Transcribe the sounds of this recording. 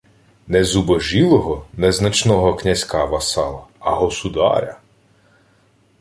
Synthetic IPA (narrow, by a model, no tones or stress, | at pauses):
nɛzubɔʒilˠɔɦɔnɛznɐt͡ʃnɔɦɔknʲɐzʲkɑʋɐsɑlˠɐɐɦɔsud̪ɑ̰ɾʲɐ̰